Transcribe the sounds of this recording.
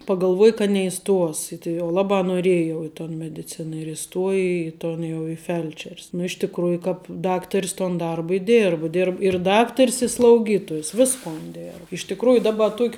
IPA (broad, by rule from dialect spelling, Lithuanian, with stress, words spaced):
pɐɡɐlˠˈʋuɔjɛ kɐ nʲɛɪˈstuɔs ɪ tɐɪ jɛʊ ˈlˠɑːbɑː noːˈrʲiɛjɛ jɛʊ ɪ toːn mʲɛdʲɪˈt͡sʲɪnɐ ɪr ɪˈstuɔjɛ iː ˈtoːn jɛʊ ɪ ˈfʲɛlʲt͡ʃʲɛrʲs nʊ ɪʃ tʲɪkˈruːjʊ ˈkɑːp ˈdɑːktɐrʲs toːn ˈdɐrbɐ ɪ ˈdʲeːrbʊ dʲɪr ɪ ˈdɑːktɐrʲs ɪ slˠɐʊˈɡʲiːtoːjʊs ˈʋʲɪskoːn dʲeːr ɪʃ tʲɪkˈruːjʊ ˈdɑːbɐ ˈtuɔkʲ